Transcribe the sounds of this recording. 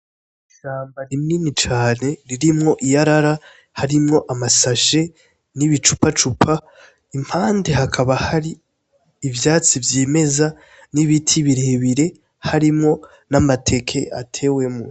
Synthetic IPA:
iʃaːmbaɾimniːnit͡ʃaːne̞ɾiɾimŋo̞ʔijaɾaɾa | haɾimŋo̞ʔamasaʃe̞ | niβit͡ʃu̥pat͡ʃupʰa | im̥haːnde̞ɦakʰaβahaɾiː | vjaːt͡sivjiːme̞za | niβitʰiβiɾeːβiɾe̞ | haɾimŋo̞ | namatʰe̞kʰe̞ʔatʰe̞ːwe̞mu

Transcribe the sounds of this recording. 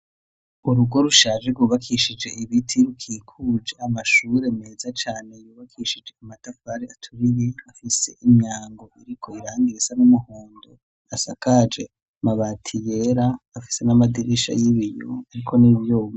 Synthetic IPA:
uɾuɡo̞ɾuʃaːʒekɡuβakʰiʃid͡ʒe̞iβitʰiɾukʰiːkʰud͡ʒeamaʃuɾe̞meːzat͡ʃaːne̞juːβakʰiʃid͡ʒe̞amatafaɾiatʰuɾiɾeafise̞̰ʔimjaːŋɡo̞ʔiɾikʰo̞iɾaːŋɡiɾisanumuhoːndo | asakad͡ʒe̞̰ | maβaːtʰijeɾaːfi̥se̞namadiɾiʃa̰jiβijo̰aɾikʰo̞niβjoːβo

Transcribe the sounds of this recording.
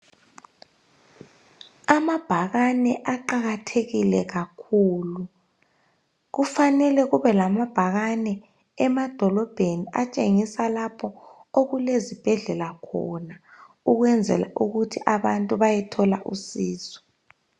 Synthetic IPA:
amab̥ʱaɣanɛʔaǃaɣatʰeɣilɛɣakʰuːlu | ɣufanɛlɛɣuβɛlamab̥ʱaɣanɛ | ɛmad̥ʱɔlɔb̥ʱeniʔat͡ʃʼeŋisalapʰɔoɣulezib̥ʱɛɮɛlakʰɔna | uɣwɛnd͡zʱɛ̰la̰ʔuɣutʰiʔaβantʼuβajɛtʰɔlaʔusiːzɔ̥

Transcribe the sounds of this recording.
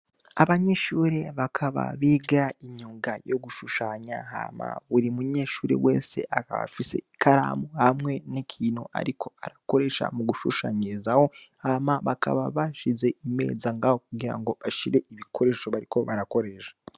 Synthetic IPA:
aβaɲeʃuɾe̞βakʰaβa̰βiːɡaiɲuːŋɡajo̞ɡuʃuʃaːɲaɦa̰ma̰βuɾimuɲe̞ʃuːɾe̞̰weːse̞̰ʔakaβa̰fise̞̰ | kaɾa̰mohamŋe̞nikʰiːno̰ʔa̰ɾikʰo̞aɾako̞ɾe̞ʃa̰muɡuʃuʃaːɲizaho̞hamaβakʰa̰βaβaʃize̞ʔime̞̰ːzaŋɡaho̞kuɡiɾa̰ŋɡo̞βaʃiɾe̞iβikʰo̞ɾe̞ʃo̞βaɾiko̞βaɾako̞ɾeʃḁ

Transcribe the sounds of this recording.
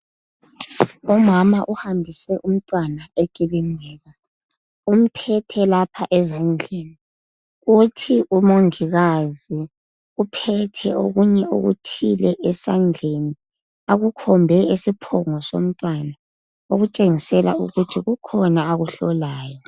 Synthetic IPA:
umamaʔuhambʱisɛʔum̩tʼwanaʔekʼiliŋɛːɣa | um̩pʰɛtʰɛlapʰaʔɛzand͡ɮʱeni | ɣutʰiʔumoŋiɣazi | upʰɛtʰɛoɣuɲɛo̰ɣṵtʰilɛʔɛsand͡ɮʱeni | aɣukʰɔmbʱɛesipʰɔŋɔso̰m̩tʼwana | oɣut͡ʃʼeŋisɛla̰ṵɣutʰiɣukʰɔnaːɣuɬɔlaːjɔ

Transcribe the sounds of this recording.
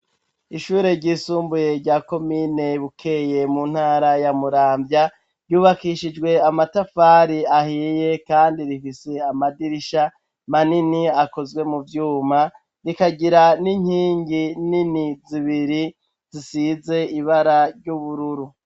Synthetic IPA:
iʃuːɾe̞ɾɟiːsuːmbuje̞ɾɟaːko̞mine̞βukʰe̞je̞mun̥haːɾajamuɾaːmbja | ɾjuːβakiʃid͡ʒwe̞amatafaːɾiahiːje̞kaːndiɾifise̞amadiɾiʃa | maniniako̞zwe̞muvjuːma | ɾikaɟiɾaniɲhiːŋɡininiziβiɾi | zisize̞iβaɾaɾɟuβuɾuɾu

